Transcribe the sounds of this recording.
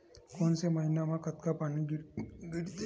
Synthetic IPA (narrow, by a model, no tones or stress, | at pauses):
konseməɦinamakət̪kapaniɡɡiɽt̪